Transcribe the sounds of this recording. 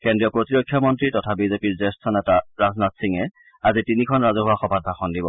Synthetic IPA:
kendɹijɔpɹotiɹokʰːjɔmɔntɹitɔtʰabizepiɹzɛstʰɔnɛtaɹaznatsiŋɛ | azitinikʰɔnɹazɔɦʊaxɔbʱat̚bʱaxɔndibɔ

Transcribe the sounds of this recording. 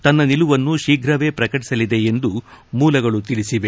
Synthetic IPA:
t̪ɐnːɐniluʋɐnːuʃiːɡʱɾɐʋe̞ːpɾɐkɐʈi̥sɐlid̪e̞end̪umuːlɐɡɐɭut̪iɭisiʋe̞

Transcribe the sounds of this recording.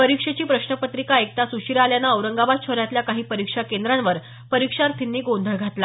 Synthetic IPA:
pəɾikʂet͡ɕiːpɾəɕnəpət̪ɾikaek̚t̪asuɕiɾaljanaəʋɾəŋɡabad̪̚t͡ɕʰoɾjat̪ljakaɦiːpəɾikʂakend̪ɾanʋəɾ | pəɾikʂaɾt̪ʰinːiːɡond̪ʱəɭɡʱat̪la

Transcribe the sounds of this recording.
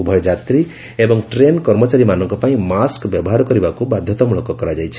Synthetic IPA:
ubʱɔjɔd͡ʒat̪ɾi | ebɔŋʈɾenkɔɾmɔt͡ʃaɾimanɔŋkɔpaĩmaskbjɔbɔɦaɾɔkɔɾibakubad̪ʱjɔt̪ɔmuɭɔkɔkɔɾad͡ʒajt͡ʃʰi̥

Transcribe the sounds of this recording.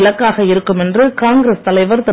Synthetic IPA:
lɐkːaːɣɐɪɾɯkːɯmɛndrɯkaːŋɡɾest̪ɐlɐɪʋɐɾt̪ɐ

